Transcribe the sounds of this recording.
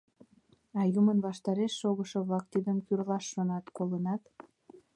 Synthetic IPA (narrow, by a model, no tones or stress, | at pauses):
ɑjumənβɑʃt̪ɑɾeʃːoɣəʃoβlɑk̚t̪id̪ənkyrlɑʃːonɑt̪kolənɑt̪